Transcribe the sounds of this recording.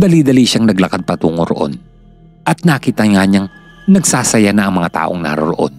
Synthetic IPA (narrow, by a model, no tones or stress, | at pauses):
d̪ɐliːd̪ɐliʃaŋnɐɡlɐkad̪̚pɐt̪uːŋoɾoʔo̞̰n | ʔɐt̪̚naːkiːt̪ɐŋaɲaŋ | nɐɡsaːsɐjanɐʔɐŋmɐŋat̪a̰ːʔo̰ŋna̰ɾoɾoʔo̞̰n